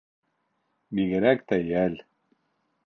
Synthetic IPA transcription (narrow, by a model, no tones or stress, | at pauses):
biɡɘ̆ɾæk̚t̪æjæl